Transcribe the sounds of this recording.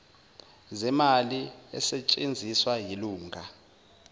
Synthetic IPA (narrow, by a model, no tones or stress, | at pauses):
zɛmaliɛ̰sɛt͡ʃʼend͡zʱiswajiluːŋʱa